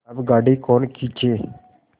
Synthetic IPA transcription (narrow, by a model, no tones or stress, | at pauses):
əbɡaːɖiːkoːnkiːt͡ʃʰeː